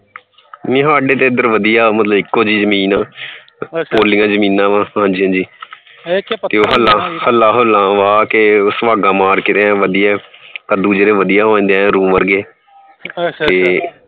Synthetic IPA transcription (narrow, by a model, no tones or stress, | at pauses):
mĩːɦaːɖeːt̪eːəd̪əɾʋəd̪ijaːmət̪ləbɪkːoːd͡ʒiːzəmiːnãː | poːlɪ̃ŋɡãːd͡ʒəmiːnãːʋãːɦãːd͡ʒiːɦãːd͡ʒiː | t̪eːoːɦəlːãːhəlːaːɦolãːʋaːkeʊsʋaːɡãːmaːɾkɪt̪eːãːʋəd̪ijaːkəd̪uːd͡ʒeɾẽːʋəd̪ijaːɦõːnd̪ẽɾũːmʋəɾɡeː | t̪eː